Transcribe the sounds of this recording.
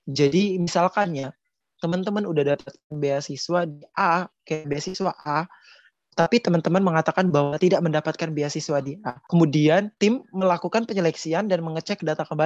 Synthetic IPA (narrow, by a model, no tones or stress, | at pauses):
d͡ʒadimisalkaɲa | t̪əmənt̪əmənudahdapat̪̚kanbeasiswadiʔakajaʔbeasiswaʔa | t̪apit̪əmant̪əmənməŋat̪akanbahɦwat̪idaʔməndapat̪̚kanbeasiswadiʔakəmudiant̪ɪmːəlakukanpəɲəlɛksiandanməŋət͡ʃɛkːədat̪akəmba